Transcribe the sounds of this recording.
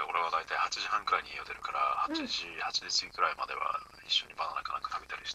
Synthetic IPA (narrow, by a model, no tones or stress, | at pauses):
o̞ɾe̞β̞ad̪ait̪aihat͡ɕiʑihãŋkɯ̟ɾaiɲijod̪e̞ɾɯ̟kaɾa̰hat͡ɕiʑihat͡ɕiʑisɨɡʲikɯ̟ɾaimad̪e̞̰βa̰ | ḭɕːo̞ɲ̟ibananakana̰kɯ̟̥t̪ʰabet̪aɾʲiɕi̥t̪